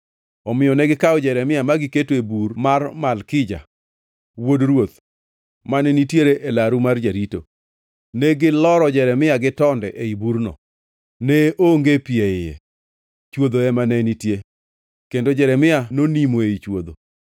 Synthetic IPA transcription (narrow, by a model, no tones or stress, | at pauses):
ɔmɪjɔnɛɡɪkaɔd͡ʒɛɾɛmɪjamaɡɪketoebuɾmarmalkɪd͡ʒa̰ | wodrwot̪ | manɛnitjeɾeʔelaɾumard͡ʒaɾito | nɛɡɪlɔɾɔd͡ʒɛɾɛmɪaɡɪtɔndɛʔeibuɾnɔ̰ | nɛʔoŋɡepieɪjɛ̰ | t͡ʃwod̪oɛmanɛnitje | kendod͡ʒɛɾɛmɪanonimoeit͡ʃwod̪o̰